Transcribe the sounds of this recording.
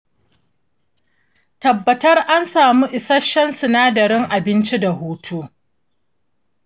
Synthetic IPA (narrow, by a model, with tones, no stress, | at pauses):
tɐ˨bːɐ˨tɐ˦rʔa˦nsaː˨mu˦ʔɪ˨sɐ˦ʃɐ˦nsʊ˨naː˦dɐ˨ɾɪ˦ŋʔa˨bɪ˦nt͡ʃi˦da˨huː˦tʰuː˦